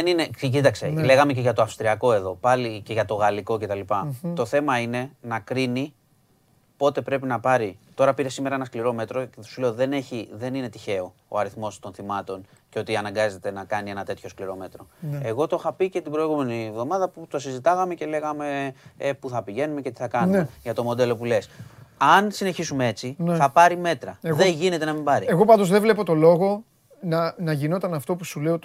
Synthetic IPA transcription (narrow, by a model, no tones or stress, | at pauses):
eninecit̪ɐkse̞̰le̞ɣɐme̞ce̞ʝɐt̪oɐfst̪ɾiɐko̞e̞ðo̞pɐlice̞ʝɐt̪o̞ɣɐliko̞ce̞t̪ɐlipɐt̪o̞θe̞mɐine̞nɐkɾini | po̞t̪e̞pɾe̞pinɐpɐɾit̪o̞ɾɐpiɾe̞sime̞ɾɐenɐskliɾo̞me̞t̪ɾosule̞oðe̞ne̞çiðe̞nine̞t̪içe̞o̞ | o̰ɐɾiθmo̞st̪o̞nθimɐt̪o̞n | ceo̞t̪iɐnɐŋɡɐze̞t̪e̞nɐkɐnie̞nɐt̪e̞t̪ço̞skliɾo̞me̞t̪ɾo̞eɣo̞t̪o̞xɐpicet̪ibɾo̞iɣume̞nievðo̞mɐðɐput̪osizit̪ɐɣɐme̞ce̞le̞ɣɐme̞epuθɐpiʝe̞nume̞cet̪iθɐkɐnueʝɐt̪o̞mo̞d̪e̞lo̞pulesɐnsine̞çisume̞e̞t͡sinθɐpɐɾime̞t̪ɾɐeɣðeʝine̞t̪enɐmimbɐɾieɣo̞pɐnd̪ozðevlepo̞t̪o̞lo̞ɣo̞ | nɐnɐʝino̞t̪ɐnɐft̪o̞pusule̞o